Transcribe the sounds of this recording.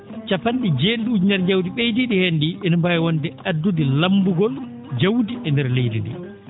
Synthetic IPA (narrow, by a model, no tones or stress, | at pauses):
t͡ʃapanɗid͡ʒeɗɗud͡ʒnɛɾd͡ʒawdiɓejdiɗihendiʔɛnɔmbajwɔndɛadːudilambuɡɔl | d͡ʒawdiɛndɛɾlejdindɛ̰